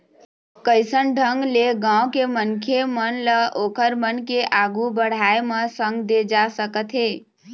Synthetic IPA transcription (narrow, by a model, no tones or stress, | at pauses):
kəjsənɖʱəŋɡleɡãwkemənkʰemənləʔokəɾmənkeʔaɡubəɽ̤aeməsəŋɡd̪ed͡ʒasəkət̪ɦe